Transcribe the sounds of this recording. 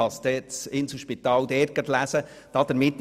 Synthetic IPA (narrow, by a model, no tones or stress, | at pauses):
ɑsd̥̪ɛsɪnsəʃpit̪ɑːld̪ɛɾkət̪læsə | d̥ɑd̪̥əɾmɪt̪ː